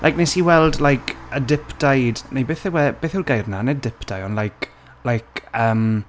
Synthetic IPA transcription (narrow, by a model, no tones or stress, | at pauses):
la̰jk̚nejsiwɛlˠdlajkʰədɪpʰd̥ajdnejbeːθɪwɛb̥eːθɪɡajrnanɛdɪpd̥ajɔnlajkʰ | lajkʰəːm